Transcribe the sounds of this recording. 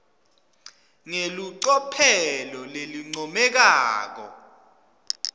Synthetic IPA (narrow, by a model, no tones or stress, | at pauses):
ŋeluǀɔpʰɛlɔleliŋ͡ǀɔmɛk̬aːk̬ɔ̰